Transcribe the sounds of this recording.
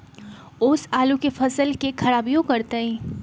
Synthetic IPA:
ʊːsaːlũkefʰɐsəlkekʰɐɾaːbijõkɐɾt̪eẽː

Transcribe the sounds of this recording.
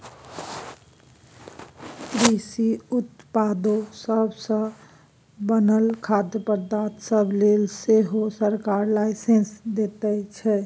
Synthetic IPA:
kɾisiut̪pad̪osəbʱsə̃ | bənəlkʰad̪jəpəɾd̪at̪səblelseɦosəɾkaɾlajsẽnsd̪et̪ɛt͡ʃʰɛ

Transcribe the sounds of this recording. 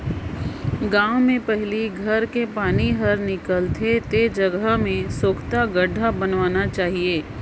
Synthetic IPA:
ɡãːʊ̃mẽpɛɦliɡʱɐɾkepaːniɦɐɾnɪkəlt̪ʰet̪ed͡ʒɐɡəmẽsoːkʰt̪aɡəɖʱabɐnʋaːnat͡ʃaːɦieː

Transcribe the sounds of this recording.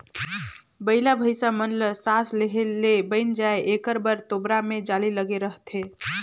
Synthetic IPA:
bəɪlabʱəjsamənləsasleɦelebəɪnd͡ʒaeekəɾbəɾt̪obɾamed͡ʒaliləɡeɾəɦt̪ʰe

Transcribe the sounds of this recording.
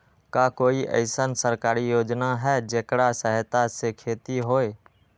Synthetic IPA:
kakoːiʔə̰ɪsənsəɾkaːɾijoːd͡ʒnaɦɛːd͡ʒeːkɽasəɦt̪asekʰeːt̪iɦoːe

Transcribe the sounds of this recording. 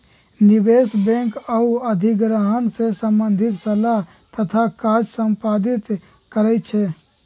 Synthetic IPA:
nibesbɛ̃ŋkəuəd̪ʱiɡɾəɦənsẽsəmbənd̪ʱit̪səlaɦ | t̪ət̪ʰakad͡ʒsəmpad̪it̪ | kəɾɛt͡ʃʰɛ

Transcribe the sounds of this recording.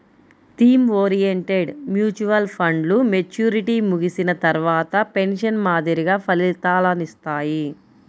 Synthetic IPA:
t̪iːmoːɾijeɳʈeɖmjuːt͡ʃuʋɐlpʰɐɳɖlume̞t͡ʃjuːɾiʈiːmuɡisinɐt̪ɐɾʋaːt̪ɐpe̞nʂɐnmaːd̪ʱiɾiɡaːpʰɐlilt̪aːlɐnist̪aːji

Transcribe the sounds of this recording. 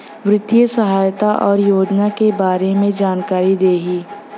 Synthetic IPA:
ʋɾɪt̪ːiəsəɦaːjt̪aʔɔːɾjoːd͡ʒnakebaːɾemẽd͡ʒaːnkaːɾid̪eːɦiː

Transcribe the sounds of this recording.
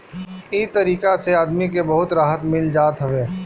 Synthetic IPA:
ɪt̪ɐɾiːkaseaːd̪mik̬ebɐɦʊt̪ɾaːɦət̪mɪld͡ʒaːt̪ɦɐʋeː

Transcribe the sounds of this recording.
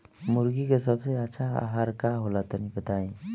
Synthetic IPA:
muɾɡikes̬əbseətːʃʰaa̰ɦaɾkaɦolat̪ənibət̪aĩ

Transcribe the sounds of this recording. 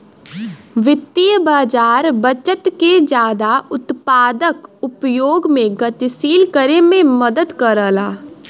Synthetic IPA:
ʋɪt̪ːijəbaːd͡ʒaːɾbət͡ʃət̪ked͡ʒaːd̪aʊt̪paːd̪əkʊpjoːɡmẽɡət̪ɪsiːlkəɾemẽməd̪əd̪kəɾəːlaː

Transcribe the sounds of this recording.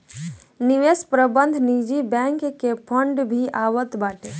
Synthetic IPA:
niʋespɾəbənd̪ʱnid͡ʒibɛ̃ŋkkepʰəɳɖbʱiʔaʋət̪baʈe

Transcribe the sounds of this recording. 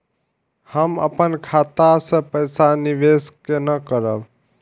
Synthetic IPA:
həmə̰pənkʰat̪asə̃pəjsaniʋeskenəkəɾəb

